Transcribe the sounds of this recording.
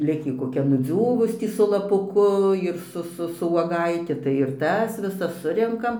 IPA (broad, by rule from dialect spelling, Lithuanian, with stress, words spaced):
ˈlʲɪkʲiː koːˈkʲɛ nʊˈd͡zʲuːʋʊs ˈtʲiː sʊ lˠɐˈpʊkʊ ɪr ˈsʊ ˈsʊ sʊ uɔˈɡɐɪtʲɪ tɐɪ ɪr ˈtɐs ʋʲɪˈsɐs ˈsʊrʲɛŋkɐm